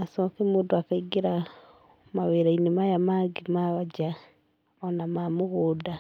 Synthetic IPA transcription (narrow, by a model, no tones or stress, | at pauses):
asɔkɛmoːdoakaiɡeɾa | maweːɾainemajamaɡemaβad͡ʒa | ɔnamamoɣoːda